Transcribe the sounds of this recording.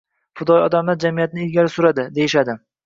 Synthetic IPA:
fʊd̪ɒjɒ̰d̪amlaɾd͡ʒamijat̪nɪɪlɡʲalɪsʊɾad̪ɪd̪e̞jɪʃad̪ɪ

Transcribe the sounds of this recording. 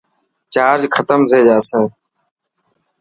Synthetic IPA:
t͡ʃaːɾd͡ʒkʰət̪əmt̪ʰeːd͡ʒaːsẽː

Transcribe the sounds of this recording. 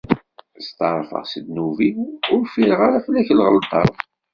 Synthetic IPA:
st̪ɑɾˤfə̰ʁsəd̪nuviʊɾfiɾʁaɾaflæçlʁəlt̪ˤɑ̰ɾˤ

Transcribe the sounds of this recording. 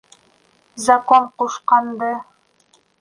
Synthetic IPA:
zɐkoɴquʃqɑnd̪ɤ

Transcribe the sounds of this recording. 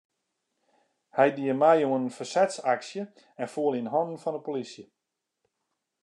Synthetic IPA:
hɛjdiəmɛjuənnfərsɛtsaksjə | ɛnfuəlˠinɦɔnn̩fɔnəpolisjə

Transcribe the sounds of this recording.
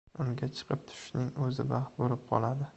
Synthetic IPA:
ʊŋɡʲat͡ʃʰɨ̥qʰɨp̚t̪ʰʊ̥ʃnɪŋɵzɪbahboɾɪp̚qʰɒ̰lˠad̪ɪ

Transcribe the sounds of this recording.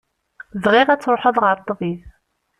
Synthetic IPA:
ðʁiʁæt͡sːɾoħəðˤʁəɾˤt̪ˤːviθ

